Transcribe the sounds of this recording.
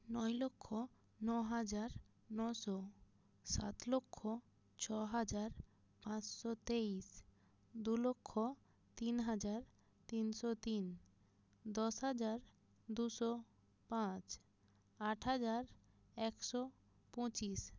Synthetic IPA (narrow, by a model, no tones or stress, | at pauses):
nɔjlokʰːo | nɔɦad͡ʑaɾ | nɔʃɔ | sa̰t̪lokʰːo | t͡ɕʰɔɦad͡ʑaɾ | pãt͡ɕʃɔt̪eis | d̪ulokʰːo | t̪inɦad͡ʑaɾ | t̪inʃɔt̪in | d̪ɔʃɦad͡ʑaɾ | d̪uʃɔ | pãt͡ɕ | aʈɦad͡ʑaɾ | ɛkʃɔ | pɔ̃t͡ɕis